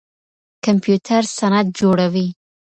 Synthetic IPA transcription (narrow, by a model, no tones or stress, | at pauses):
kampjut̪ʰaɾsanat̪̚d͡ʒoɽawi